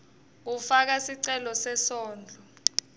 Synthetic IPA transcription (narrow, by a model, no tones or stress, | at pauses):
ufak̬asiǀɛlɔsɛsɔːnd͡ɮʱɔ